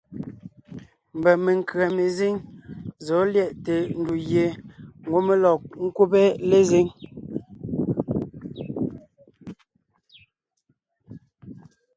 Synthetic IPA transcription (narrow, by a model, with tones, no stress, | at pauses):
m̩˨bɛ˨me˨ŋ˨kɰa˨me˨ze˦ŋzɔ˨˦ljɛ˦˨ʔte˨n̩˦˨du˨jje˨˦ŋ˨ɡo˦me˦lɔ˨ŋ̩˦kwo˦pɛ˦le˦ze˦ŋ